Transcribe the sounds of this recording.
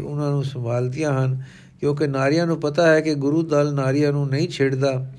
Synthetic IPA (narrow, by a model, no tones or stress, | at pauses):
ʊnãːnũːsə̃mbʱaːlt̪ijãːɦən | kjõːk̬enaːɾɪjãːnũːpɐt̪aɦɛkeɡʊɾuːd̪aːlnaːɾɪjãːnũːnɐɦĩːt͡ʃʰeːɽd̪aː